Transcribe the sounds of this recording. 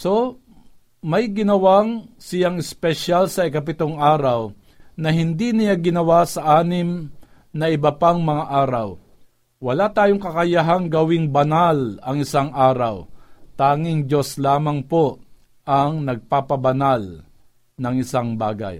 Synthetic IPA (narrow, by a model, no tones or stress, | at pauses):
so̞ | mɐjɡɪnɐwaŋsɪjaŋɪspɛʃalsɐɪkɐp̬ɪt̪oŋʔaːɾaw | nɐɦɪnd̪inɪjaɡɪnɐwasɐʔaːnɪm | nɐʔɪbɐpaŋmɐŋaʔaːɾaw | wɐlat̪aːjoŋkɐkɐjaɦaŋɡɐwɪŋbɐnalɐŋɪsaŋʔaːɾawt̪aːŋɪŋd͡ʒoslaːmɐŋpo | ʔɐŋnɐɡ̚papɐbɐnal | nɐŋɪsaŋba̰ːɡa̰j